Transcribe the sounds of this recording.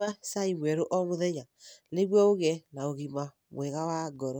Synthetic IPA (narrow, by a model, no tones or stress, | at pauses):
asaiβwɛɾoʔɔmoðɛɲaleβwɔoɣɛnaoɣima | βw̰ɛɣawaɡɔɾɔ